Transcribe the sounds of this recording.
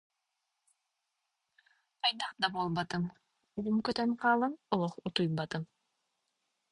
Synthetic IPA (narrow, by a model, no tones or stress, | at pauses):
ɑjd̪ɑqd̪ɑbolˠbɑt̪ɯm | ulˠumkøt̪ønqʰɑːlˠɯmɔlˠɔqut̪ujbɑt̪ɯm